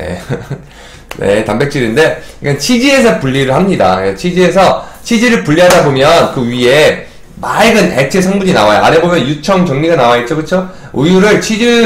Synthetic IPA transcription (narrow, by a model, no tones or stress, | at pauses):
ne̞̰ | ne̞̰tambe̞k̚t͡ɕ͈iɾinde̞ik͈ant͡ɕʰid͡ʑie̞s̬ʰʌpuʎːiɾɯɭɦamɲida̰t͡ɕʰid͡ʑie̞sʰʌt͡ɕʰid͡ʑiɾɯɭpuʎːiɦadabomjʌnkɯɥie̞ | maɭɡɯnḛt͡ɕʰes̬ʰʌŋbuɲinawajo̰a̰ɾebomjʌnjut͡ɕʰʌŋt͡ɕʌŋɲiɡanawait̚t͡ɕ͈okɯt͡ɕʰo | ujuɾɯɭt͡ɕʰid͡ʑi